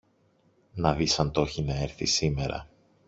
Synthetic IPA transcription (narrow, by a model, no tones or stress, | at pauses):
nɐðisɐnt̪o̞çinɐe̞ɾθisime̞ɾɐ̰